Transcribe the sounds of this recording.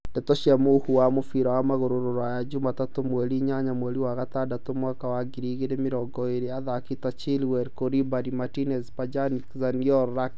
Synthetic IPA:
d̥ɛtoʃjamohuwamofiɾawamaɣoɾoɾoɾɔajad͡ʒumatatomwɛliɲaɲamwɛliwaɣat̪adatomwakawaɡiɾiɣeɾemɪɾɔɡɔeɾeaðakitat͡ʃilwɛɾkoɾibadimatinɛspad͡ʒanikzaniɔɾːak

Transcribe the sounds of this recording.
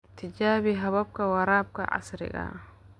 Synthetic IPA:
t̪ʰɪd͡ʒaːβiɦɐβɐb̚kɐwɐɾaːb̚kɐ̰ʕa̰sɾɪ̰ɡa̰

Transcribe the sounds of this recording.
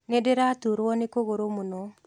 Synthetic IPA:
nedeɾatuɾwɔnekoɣoɾomuno

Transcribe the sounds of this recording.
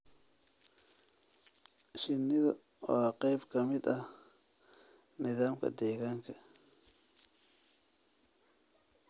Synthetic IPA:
ʃɪnːɪðɐ̰ | ɔːqɛjbkʰɐmɪd̪ɐ | nɪðaːmkʰɐ̰d̪ɛːɣaːŋkʰɐ

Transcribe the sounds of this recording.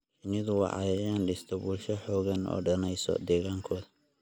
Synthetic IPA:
ħɪnɪðʊwɑ̰ʕɑ̰jɐɾjaːnɖɪst̪ʰɔβuːlʃɐħɔːɣɐnɔ̰ːɖɐnɛjsɔ̰d̪ɛːɣaːŋkʰɔːðɐ

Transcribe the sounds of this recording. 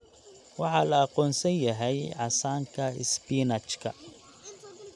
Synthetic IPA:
wɑħɑːlɐːqɔːnsɐnjɐɦɛjʕɑsaːŋkʰɐɪspiːnɐt͡ʃkʰɐ̰

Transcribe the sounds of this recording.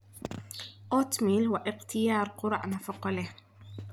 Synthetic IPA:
ʔot̪miːlwaʔɪqt̪ʰɪjɑːɾˤqʊɾˤɑ̰ʔnafʊqɑle

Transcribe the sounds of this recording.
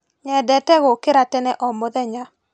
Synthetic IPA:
ɲɛdɛtɛɣokeɾatɛnɛʔɔmoðɛɲa

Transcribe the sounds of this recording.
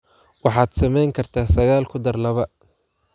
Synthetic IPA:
wɑħɑːd̪sɐmɛjŋkʰɐrt̪ʰaːsɐɣaːlkʰʊd̪ɐrlɐβɐ

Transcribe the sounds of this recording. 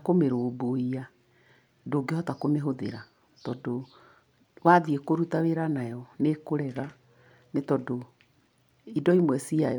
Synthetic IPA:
akomeɾoːboia | doɡehɔtakomeɦoðḛɾa | tɔdo | waðiekoɾutaweɾanajɔnekoɾɛɣa | netɔdo | idɔimwɛsiajɔ

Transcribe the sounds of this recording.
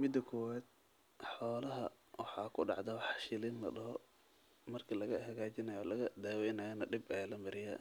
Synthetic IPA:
mɪd̪ɐkʰɔwaːd̪̥̚ | ħɔːlɐɦɐ | wɑħɑkʰʊɖɑ̰ʕd̪ɐwħʃɪliːnlɐ̰ɖɐɦɔ | mɐrkʰilɐɣɐhɐɣaːt͡ʃɪnɐjɔlɐɣɐd̪aːwɛjnɐjɐnɐɖɪbɛjlɐmɪɾɪja̰ː

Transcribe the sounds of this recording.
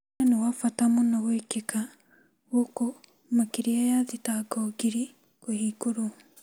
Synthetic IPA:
ɛnewafatamonawekeka | woko | makiɾiajaðitaɡɔɡiɾi | kwehiːkoɾo

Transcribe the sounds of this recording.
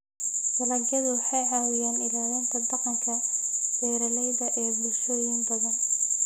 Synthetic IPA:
dɐlɐɡɐðʊwɑħɑjʕɑwɪjaːnɪlaːlɐnt̪ʰɐd̪ɑqɑŋkʰɐɡɛːɾɐlɛjðɐʔɛːbʊlʃɐiːnbɐðɐn

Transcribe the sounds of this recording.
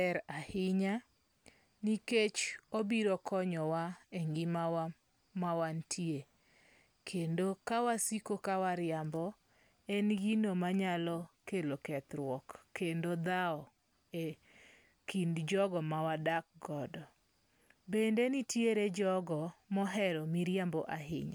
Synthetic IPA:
ɛɾahɪɲa | niket͡ʃobiɾɔkʰɔɲɔwaeŋɡɪma | mawantʰje | kʰendokawasikokawaɾɪambɔ | ɛnɡinomaɲalɔkelokɛt̪ɾwɔkːendod̪aɔ | e | kindd͡ʒɔɡɔmawadak̚ɡɔdɔ | bendenitjeɾed͡ʒɔɡɔmɔɦɛɾɔmiɾjambɔʔaɦɪ̰ɲa

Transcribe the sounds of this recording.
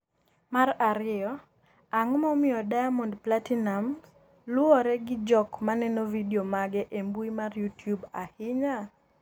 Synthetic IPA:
maraɾɪɔ | aŋmɔmɪɔdajamɔndplatinam | lʊɔɾɛɡɪd͡ʒɔkmanɛnovidiomaɡɛʔembuimarjutjubahɪɲa

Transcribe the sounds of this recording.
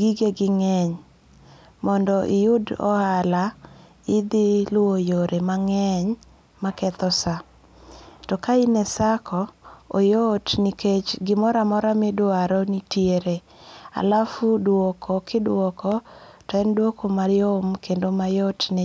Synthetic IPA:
ɡiɡeɡɪŋɛɲ | mɔndɔʔɪjʊdɔ̰ala | ɪd̪ɪlʊojoɾʔemaŋɛɲ | makɛt̪ɔsa | tɔkainɛsakʰɔːjotniket͡ʃɡɪmɔɾamɔɾamɪdʊaɾɔnitjeɾe | a̰lafudwɔkʰɔkɪdwɔkɔtɛndwokomaɾɪjomkʰendomajotne

